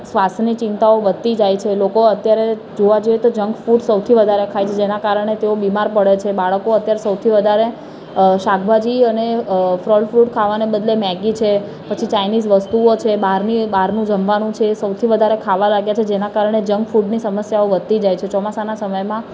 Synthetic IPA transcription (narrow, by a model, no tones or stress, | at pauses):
sʋasnit͡ʃĩnt̪aoʋəd̪̚t̪id͡ʒajt͡ʃʰelokoət̪jaɾe | d͡ʒoʋad͡ʒoet̪od͡ʒəŋɡfuʈsəwt̪ʰiʋəd̪ʱaɾekʰajt͡ʃʰed͡ʒenakaɾəɳ̃et̪eobimaɾpəɽet͡ʃʰebaɭəkoət̪jaɾesəwt̪ʰiʋəd̪ʱaɾe | ʃak̚ʰbʱad͡ʒiənefɾɔlfɾuʈkʰaʋanebəd̪lemɛɡit͡ʃʰe | pət͡ʃʰit͡ʃajnizʋəst̪uot͡ʃʰebaɾnibaɾnũd͡ʒəmʋanũt͡ʃʰesəwt̪ʰiʋəd̪ʱaɾekʰaʋalaɡjat͡ʃʰed͡ʒenakaɾəɳ̃ed͡ʒəŋɡfuʈnisəməsjaoʋəd̪̚t̪id͡ʒajt͡ʃʰet͡ʃɔmasanasəməjmã